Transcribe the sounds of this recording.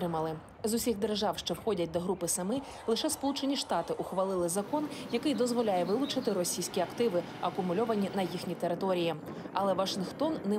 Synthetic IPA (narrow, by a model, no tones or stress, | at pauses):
ɾɪmɐlˠɪ | zʊsʲiɣd̪erʒɑwʃt͡ʃɔwxɔdʲɐt̚ʲd̪ɔɦɾupɪsɐmɪ | lˠɪʃɛspɔlˠut͡ʃenʲiʃt̪ɑt̪ɪʔʊxʋɐlˠɪlˠɪzɐkɔnjɐkɪjd̪ɔzʋɔlʲajɛʋɪlˠʊt͡ʃɪt̪ɪɾɔsʲijsʲkʲiɐkt̪ɪʋɪ | ɐkʊmʊlʲɔʋɐnʲinɐjixnʲit̪eɾɪt̪ɔɾʲiji | ɐlˠɛʋɐʃɪnxt̪ɔnːɛ